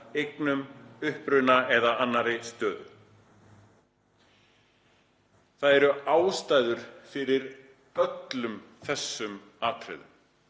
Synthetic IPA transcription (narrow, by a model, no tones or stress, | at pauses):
ejknʏmʏhpɾʏnaɛðaanːaɾɪst̪œːðʏ̰m | θaðɛɾʏaːwst̪aːjðʏɾ̥fɪɾɪɾ | œt̪lʏmθɛsːʏm | aːt̪ʰɾɛ̰ðʏ̰m